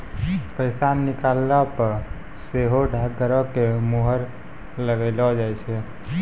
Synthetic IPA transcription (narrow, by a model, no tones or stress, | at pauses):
pəɪsanːikalːapəɾ | seɦoɖʱak̚ɡəɾɔkemoɦəɾ | ləɡəɪlɔd͡ʒajt͡ʃʰɛ